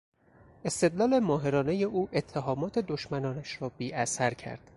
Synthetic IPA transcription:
ʔe̞st̪e̞d̪lɒːle̞mɒːɦe̞ɾɒːne̞je̞ʔuːʔet̪ʰːeɦɒːmɒːt̪ʰe̞d̪oʃmænɒːnæʃɾɒːbiːʔæsæɾcʰæ̰ɾd̪̥

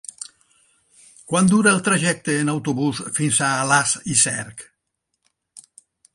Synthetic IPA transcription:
kwand̪uɾaelˠt̪ɾaʒɛk̚t̪eːnawt̪oβusfinsaːlasisɛɾk

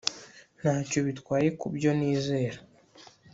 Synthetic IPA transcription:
n̥aːco̞βitkwaːjekubjo̞niːze̞ːɾa

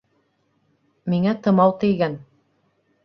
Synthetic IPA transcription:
miŋæt̪ɤ̆mɑwt̪ɘ̆jɡæn

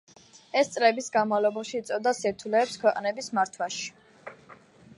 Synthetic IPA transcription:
ɛst̪sʼlɛbisɡanmavlˠɔbaʃiːt̪sʼɔd̪asiɾt̪ʰulɛːpskʰwɛqʼnɛbismaɾt̪ʰwaʃi̥

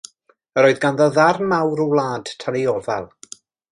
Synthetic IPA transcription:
əɾoːɨðɡanðɔðarmawɾɔwlˠaːd̥tʰanejɔvɛlˠ

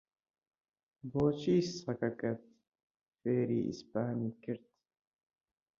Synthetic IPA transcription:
boːt͡ʃiːssɐkɐkɐt̪̚ | feːɾiːʔḭspaːniːkɨɾt̪

